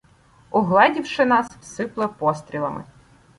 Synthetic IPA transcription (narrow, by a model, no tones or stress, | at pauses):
ɔɦlˠɛdʲiwʃɪnɑssɪplˠɛpɔst̪ɾʲilˠɐ̰mɪ̰